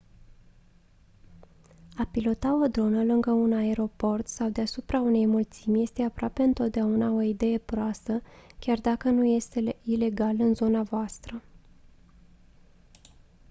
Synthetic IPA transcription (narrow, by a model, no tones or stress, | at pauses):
apilo̞t̪ao̞d̪ɾo̞nəlɨŋɡəunae̞ɾo̞po̞rt̪sawd̪easupɾaune̞jmult̪simʲje̞st̪e̞apɾoape̞ɨnt̪o̞t̪̚d̪eaunao̞id̪e̞je̞pɾoast̪əkʲard̪akənuje̞st̪eile̞ɡalɨnzo̞navoast̪ɾə